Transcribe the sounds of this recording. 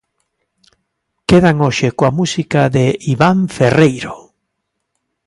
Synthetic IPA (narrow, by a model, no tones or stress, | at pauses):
keðaŋoʃekoamusikaðeiβaɱferejɾo